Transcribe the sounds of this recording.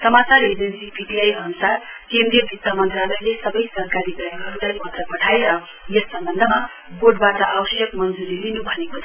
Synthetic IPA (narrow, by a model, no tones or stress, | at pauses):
sʌmat͡saɾed͡zʌnsipiʈiajʌnusarkemɾiʌbʱit̪ːamʌnt̪ralʌjlesʌbʌjsʌrkaɾiɡʌɡʌɾut̪ajpʌt̪rʌpʌʈʰaeɾʌ | jʌsːʌmbʌnd̪ʱʌma | boɖbatʌʔabʌsjʌkmʌnd͡zuɾilinubʱʌnekot͡sʰ